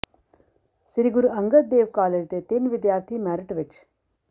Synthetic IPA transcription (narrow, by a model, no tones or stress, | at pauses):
siɾiɡuɾuɐŋɡət̪̚d̪eːʋkaːleːd͡ʒd̪eːt̪inʋɪd̪jaːɾt̪ʰimæːɾiʈʋɪt͡ʃ